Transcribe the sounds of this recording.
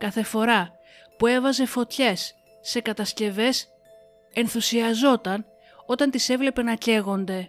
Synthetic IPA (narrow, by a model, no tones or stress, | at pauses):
kɐθe̞fo̞ɾɐ | pue̞vɐze̞fo̞t̪çe̞sː | e̞kɐt̪ɐsce̞ve̞s | e̞nθusiɐzo̞t̪ɐn | o̞t̪ɐnt̪ise̞vle̞pe̞nɐce̞ɣo̞nd̪e̞